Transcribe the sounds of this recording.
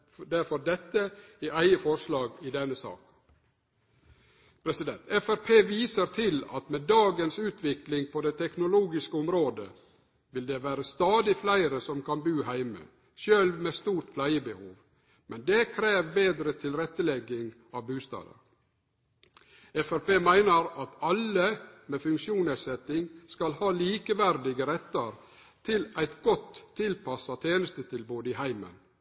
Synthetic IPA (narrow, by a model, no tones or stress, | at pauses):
d̪æɾfɔd̪ɛt̪ːəiʔæɪəfɔɾʂlɑːɡɪd̪ɛnːəsɑ̰ːk | pʰɾɛsɪd̪ɛnt̪ɛfæɾpʰeːʋiːsəɾt̪ʰɪlɑ̰t̪meːd̪ɑːɡənsʉːt̪ʰʋɪklɪŋpʰɔd̪ɛt̪ʰɛknʊluːɡɪskəʊmɾoːd̪ə | ʋɪld̪eʋæːɾəst̪ɑːd̪ɪflæɪɾəsɔmkʰɑnbʉːhæɪmə̰ | ʃøːlmeːst̪uːʈpʰlæɪəbəhuːʋ | mɛnd̪ekʰɾeːʋbeːd̪ɾət̪ʰɪlɾɛt̪ːəlɛɡːɪŋ | ɑʋbʉːst̪ɑ̰ːd̪ə̰ | ɛfæɾpeːmæɪnəɾɑt̪ɑlːəmeːfʉŋkʃuːnɛt̪sɛt̪ɪŋskɑlhɑːliːkəʋæɾd̪ɪɡəɾɛt̪ːəɾ | t̪ʰɪlæɪt̪ɡɔt̪ʰːɪlpʰɑsɑt̪ʰeːnəst̪ət̪ʰɪlboːd̪əɪhæɪmə̰n